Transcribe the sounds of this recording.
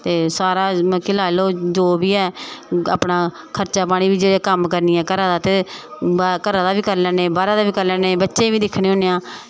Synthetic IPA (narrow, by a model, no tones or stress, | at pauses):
t̪eːsaːɾaːkɪlaːloːd͡ʒoːbiːɛːa̰ːpnaː | kʰəɾt͡ʃaːpaːɽ̃iːʋiːd͡ʒeːɽeːkəmkəɾniːɛːkəɾãːd̪aːt̪eːbakəɾãːd̪aːbiːkəɾlɛːeːbaːɾãːd̪aːʋiːkəɾlɛːneːbətːʃẽːʋiːd̪ɪkʰɽẽːɦoːneːãː